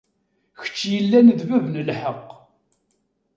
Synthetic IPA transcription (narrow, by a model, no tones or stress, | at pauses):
çə̥t͡ʃːjəlːænəðvævnəlħəqː